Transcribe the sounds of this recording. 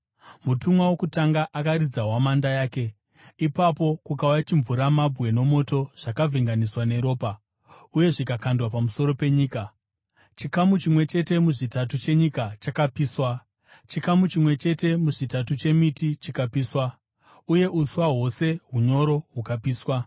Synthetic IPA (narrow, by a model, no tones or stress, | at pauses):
mutumwawo̞kutaŋɡaʔakaɾid͡zaɦwamandajaːke̞ | ipapo̞kukaujat͡ʃiɱvuɾamabʱwe̞no̞mo̞to̞ʐ̥akavʱiŋɡaniswane̞ɾo̞ːpa | uje̞ʐikakʰandwapamuso̞ɾo̞pe̞ɲiːka | t͡ʃikamut͡ʃimwe̞t͡ʃe̞te̞muʐitatut͡ʃe̞ɲikat͡ʃakapiːswa | t͡ʃikamut͡ʃimwe̞t͡ʃe̞te̞muʐitatut͡ʃe̞mitit͡ʃikapiːswa | uje̞ʔuswaɦo̞se̞ɦuɲo̞ɾo̞ɦukapiːswa